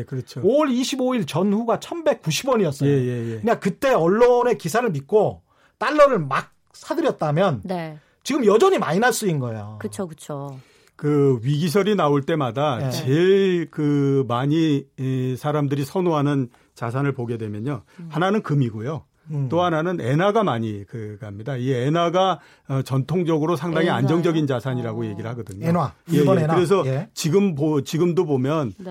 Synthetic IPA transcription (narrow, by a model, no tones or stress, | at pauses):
ekɯɾʌt͡ɕʰooɾiɕʰiboiɭt͡ɕʌnɸuɡat͡ɕʰʌnbe̞k̚k͈uɕʰibwʌɲiʌts͈ʌjeojejeɯɲik͈akɯt͈e̞ʌɭːone̞kisʰaɾɯɭmit̚k͈o | t͈aɭːʌɾɯɭmak̚ | sʰadɯɾjʌt̚t͈amjʌnne | t͡ɕiɡɯmjʌd͡ʑʌɲima̰ɲinaɭs͈uinɡʌejokɯt͡ɕʰokɯt͡ɕʰo | kɯɥiɡis̬ʰʌɾinaoɭt͈e̞madat͡ɕeɭkɯmaɲi | sʰaɾamdɯɾisʰʌnoɦanɯn | t͡ɕas̬ʰanɯɭpoɡe̞dwe̞mjʌɲohananɯnkɯmiɡojo | t͈oɦananɯne̞naɡamaɲikɯɡamɲidaienaɡa | t͡ɕʌntʰoŋd͡ʑʌɡɯɾosʰaŋdaŋɦiand͡ʑʌŋd͡ʑʌɡint͡ɕasʰaɲiɾaɡoje̞ɡiɾɯɭhaɡʌdɯɲonajejkɯɾe̞s̬ʰʌt͡ɕiɡɯmbot͡ɕiɡɯmdobomjʌn